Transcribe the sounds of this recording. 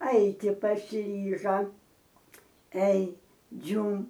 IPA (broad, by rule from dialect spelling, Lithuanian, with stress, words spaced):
ˈɐɪtʲɪ pɐsʲɪˈrʲiːʒɐ ɛɪ ˈd͡ʒʲuːm